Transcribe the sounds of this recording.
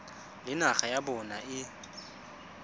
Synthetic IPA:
lɪnaχajabɔnaʔɪ

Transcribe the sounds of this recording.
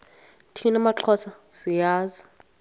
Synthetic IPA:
tʰinamaǁʰɔsʰa | sijaːzi

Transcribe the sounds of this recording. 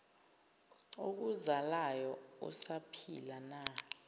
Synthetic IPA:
ok̬uzalajɔ | ɔ̰sapʰilana

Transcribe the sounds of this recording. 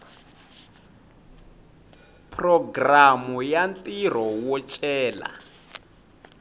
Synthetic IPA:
pʰʼrɔɡramujantʼir̤ɔwɔt͡ʃʼɛːla̰

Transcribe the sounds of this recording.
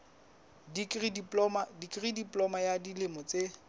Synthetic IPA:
dikridiplɔmadikʼridiplɔmajadilɪmɔt͡se

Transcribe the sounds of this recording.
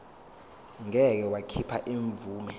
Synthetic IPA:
ŋɛk̬ɛwakʰipʰaʔiɱvuːmɛ

